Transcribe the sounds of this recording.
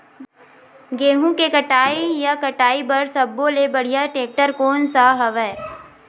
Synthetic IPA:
ɡeːɦũkekəʈaːijakɐʈaːibɐɾsɐbːolebɐɽijaʈeːk̚ʈəɾkoːnsaɦɐʋɛː

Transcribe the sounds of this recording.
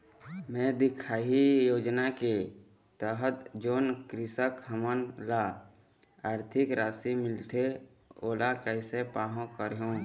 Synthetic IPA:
mɛ̃ːd̪ɪkʰaːɦijoːd͡ʒnake | t̪əɦət̪d͡ʒoːnkɾɪsəkɦəmənla | aːɾt̪ʰɪkɾaːsimɪlt̪ʰe | oːlakɛɪsepaːɦõkəɾɦõː

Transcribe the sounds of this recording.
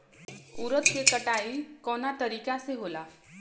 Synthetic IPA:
uɾət̪kekəʈaikɔnat̪əɾikaseɦola

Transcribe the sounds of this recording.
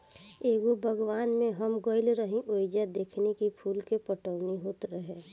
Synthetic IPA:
eːɡobʱəɡwaːnmẽɦəmɡoɪlɾəɦĩʔoɪd͡ʒad̪eːkʰnekipʰuːlkepəʈəʊniɦoːt̪ɾəɦe

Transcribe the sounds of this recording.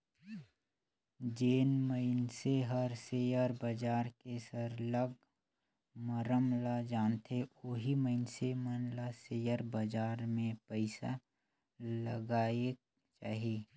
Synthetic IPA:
d͡ʒeːnməɪnseɦəɾsejəɾbəd͡ʒaːɾkesəɾləɡ̚ | məɾəmlad͡ʒaːnt̪ʰeoɦiməɪnsemənlaseːjəɾbəd͡ʒaːɾmẽpəɪsa | lə̰ɡaːe | t͡ʃa̰ːɦieː

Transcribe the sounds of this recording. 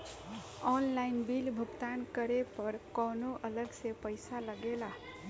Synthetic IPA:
ɔnlajnbilbʱukt̪ankʌɾepʌɾkʌnoʔʌləɡsepəjsaləɡela

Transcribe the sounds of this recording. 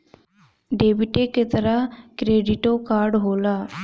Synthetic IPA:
ɖeːbɪʈeːket̪əɾaːkɾeːɖɪʈoːkaːɾɖɦoːlaː

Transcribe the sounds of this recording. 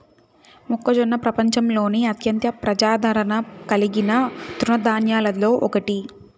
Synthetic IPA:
mukːɐd͡ʒonːɐpɾɐpɐɲt͡ʃɐmlo̞ːniɐt̪jɐnt̪jɐpɾɐd͡ʒaːd̪ʱɐɾɐnɐkɐliɡinɐt̪ɾunɐd̪aːnjaːlɐlo̞ːʔɔkɐʈi

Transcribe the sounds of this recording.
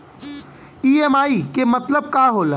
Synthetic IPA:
iːemaːikemət̪ləb̚kaːɦol

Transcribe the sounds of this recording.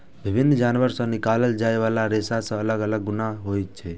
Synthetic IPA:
bʱɪbʱɪnːd͡ʒaːnʋəɾsə̃nɪkaːləld͡ʒaːeʋaːlaɾesasə̃ələɡələɡːʊnaɦojt͡ʃʰe

